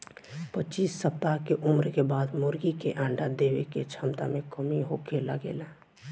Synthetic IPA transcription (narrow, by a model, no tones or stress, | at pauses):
pətːt͡ʃiːsːəp̚t̪akeʔʊmɾkebaːd̪moɾɡikeʔãːɳɖad̪ebeket͡ʃʰəmt̪a̰mekəmiɦokeləɡḛːlɛ